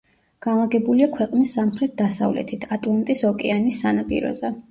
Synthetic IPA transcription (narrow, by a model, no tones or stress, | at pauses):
ɡ̥anlˠaɡɛbuliakʰwɛqʼnisːamχɾɛt̪̚d̪̥asa̰vlɛ̰t̪ʰit̪ʰat̪ʼlˠant̪ʼisɔkʼɛanisːanapʼḭɾɔ̰zɛ